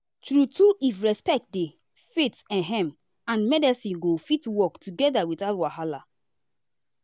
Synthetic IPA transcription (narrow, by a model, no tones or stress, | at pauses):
tɹutuʔifɹɛspɛk̚t̚de | fetɛ̃nɦɛ̃m | ãnmɛdɛsĩnɡofitwɔktʰuɡɛdawitaʊtwaɦala